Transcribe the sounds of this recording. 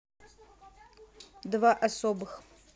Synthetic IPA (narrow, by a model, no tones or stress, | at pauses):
dvaʔasobɨx